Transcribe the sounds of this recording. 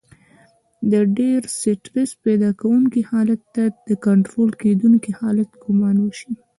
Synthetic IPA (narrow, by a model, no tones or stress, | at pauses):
d̪əɖeɾsɪʈɾɪsped̪ɑkawuŋkihɑlat̪ːad̪̥əkaɳʈɾolked̪uŋkihɑlat̪ɡʊmɑnwəʃi